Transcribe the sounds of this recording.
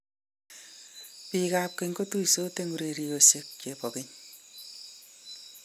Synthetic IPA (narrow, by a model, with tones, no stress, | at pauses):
pi˨ka˨p̚ke˨ŋko˦tu˦i˨so˦te˦ŋu˦ɾe˨ɾi˦o˨se˦k̚t͡ʃe˨pɔ˨ke˦ɲ